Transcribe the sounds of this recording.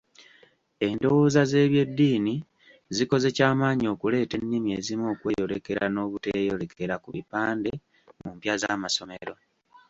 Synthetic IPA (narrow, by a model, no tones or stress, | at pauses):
e̞ndo̞woːzaze̞ːβje̞dːiːni | ziko̞ze̞caːmaːɲio̞ːkule̞ːte̞nːimie̞zimo̞ːkwe̞jo̞le̞ke̞ɾano̞ːβutejo̞le̞kʰe̞ɾakuβḭpaːnde̞ | mumpjazaːmaso̞me̞̰ɾo̞